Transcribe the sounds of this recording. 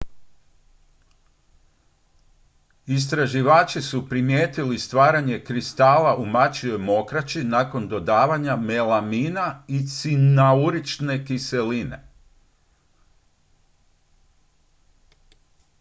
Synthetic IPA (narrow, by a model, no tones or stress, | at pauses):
is̬t̪ɾaʒiʋaːt͡ʃisupɾimje̞ːt̪ilist̪ʋaːɾaɲe̞kɾist̪aːlaʔumat͡ʃio̞jmo̞kɾat͡ʃinaːko̞nd̪o̞d̪aːʋaɲame̞lamiːnait̪sinauɾit͡ʃne̞kise̞line̞̰